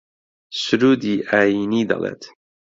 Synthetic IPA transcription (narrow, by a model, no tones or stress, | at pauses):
sʊɾuːd̪iːʔaːjiːniːd̪ɐ̰lˠḛːt̪